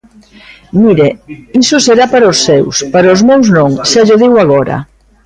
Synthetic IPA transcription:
miɾeisʊseɾapaɾaoʊsːewspaɾaʊzmewznoŋʃaʎoðiwaɣɔɾɐ̰

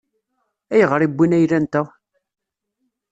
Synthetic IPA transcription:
æjəʁəɾˤibʷːinæjlænt̪æ

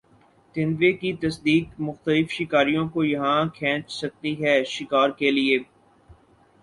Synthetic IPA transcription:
t̪ɪ̃nʋekit̪ɐsd̪iːkmʊxt̪əlɪfʃɪkaːɾijõkojɐɦãkʰɛ̃ːt͡ʃsɐk̚t̪iɦɛːʃɪkaːɾkelieː

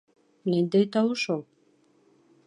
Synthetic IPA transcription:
nend̪ejt̪ɑwuʃolˠ

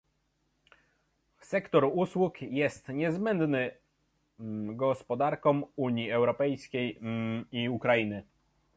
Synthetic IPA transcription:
sɛkt̪ɔɾuswukjɛst̪ɲɛzbɛnd̪nɘ | ɡɔspɔd̪aɾkɔ̃muɲiɛwɾɔpɛjskʲejiukɾajinɘ

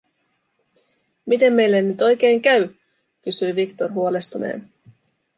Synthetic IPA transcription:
mit̪e̞mːe̞jlːenːyt̪o̞jke̞ːŋkæɥ | kysyjʋikt̪orɦuo̞le̞st̪unḛːn

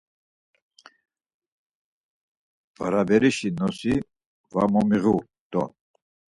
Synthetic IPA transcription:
va̰ɾabɛɾiʃinɔsi | vamɔmiɣu | d̪̥ɔ̰

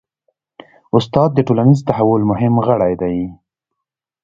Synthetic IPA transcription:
ʊst̪ɑd̪̚ːəʈolanizt̪aɦawʊlmʊɦɪmɣəɽajd̪aj

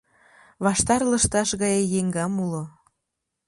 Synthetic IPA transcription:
βɑʃt̪ɑrləʃt̪ɑʃɣɑjejeŋɡɑmulo

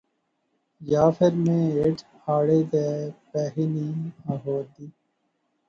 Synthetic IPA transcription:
jaːfəɾmẽːeːʈʰhaːɽeːd̪eːpɛːɦiniːaːɦoːd̪iː

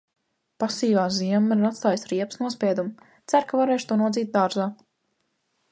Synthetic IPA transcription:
pasiːvaːziɛmːiɾat̪st̪aːjsɾiɛpsnuɔspʲɛɛd̪um | t̪sæɾkavaɾeːʃt̪uɔnuɔd̪ziːt̪̚d̪aːɾzaː

